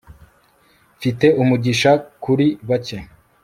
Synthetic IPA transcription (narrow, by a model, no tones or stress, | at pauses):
fite̞ʔumuɟiʃakuɾiβace̞